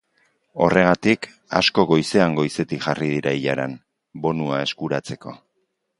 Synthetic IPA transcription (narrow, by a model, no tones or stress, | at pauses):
o̞re̞ɣ̞at̪ik | a̰sko̞ɣo̞jse̞aŋɡo̞jse̞t̪ikʝarið̞iɾaiʎaɾan | bo̞nuae̞skuɾat͡se̞ko̞̰